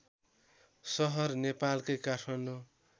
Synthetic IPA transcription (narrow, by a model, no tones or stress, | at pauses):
sʌɦʌrnepalkʌjkaʈʰʌno